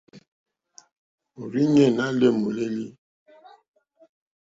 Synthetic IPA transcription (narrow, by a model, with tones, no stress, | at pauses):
o˨ɾi˦ɲɛ˨na˦le˦˨mo˨le˦li˦